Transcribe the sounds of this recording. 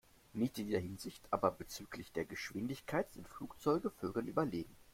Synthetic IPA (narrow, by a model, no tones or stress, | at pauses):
nɪçtɪndiːɐɦɪnzɪçtʔa̰ːbɐbət͡syːkʰlɪçd̥eːɐɡəʃv̥ɪndɪçkʰaɪtz̥ɪntfluːkt͡sɔʏɡəføːɡl̩nʔy̰ːbɐleːɡŋ̩